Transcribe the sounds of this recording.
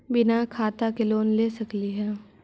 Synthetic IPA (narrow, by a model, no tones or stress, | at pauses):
bɪnakʰaːt̪akeloːnleːsɐkliɦɛː